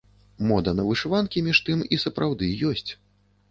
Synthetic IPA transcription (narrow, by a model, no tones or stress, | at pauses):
mɔd̪ɐnɐvɨʂɨvankʲimʲiʂt̪ɨmisɐpɾʔawd̪ɨjɔsʲt͡sʲ